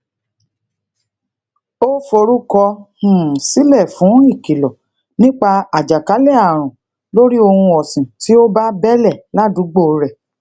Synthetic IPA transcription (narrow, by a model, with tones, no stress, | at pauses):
o˦fo˧ɾu˦kɔ˧hũ˨si˨˦lɛ˦˨fũ˨˦i˦˨ki˨lɔ˨ | nĩ˦k͡pa˧a˨d͡ʒa˨ka˨˦lɛ˦˨a˨ɾ̃ũ˨ | lo˦ɾi˦o˧hũ˧ɔ˨sĩ˨ti˨˦o˦ba˦bɛ˦lɛ˦˨la˦˨dũ˨˦ɡ͡bo˦˨˦ɾɛ˨